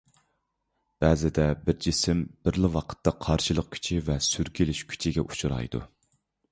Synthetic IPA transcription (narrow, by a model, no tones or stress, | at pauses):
b̥ɛzɪd̪ɛbɪɾd͡ʒisɪmbɪɾlɪwɑqʰə̥t̪ʰːɑqʰɑɾʃɨlˠəq̚kʲʰy̥t͡ʃʰivɛsyɾkʲilɪʃkʲʰy̥t͡ʃʰiɡʲɛ̰ʔu̥t͡ʃʰuɾɑ̰jd̪ṵ